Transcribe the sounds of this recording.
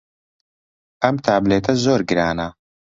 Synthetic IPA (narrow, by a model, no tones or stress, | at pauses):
ɐmt̪ʰaːbleːt̪ʰɐzoːɾɡɨɾaːnɐ